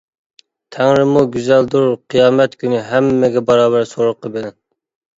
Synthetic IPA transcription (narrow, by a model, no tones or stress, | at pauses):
t̪ʰɛŋɾɪmuɡʲyzæld̪uɾqʰijɑːmɛt̪kʲynyɦɛmːɪɡʲɛbɑɾɑːβæɾsoɾʊqʰːəbɪlɛn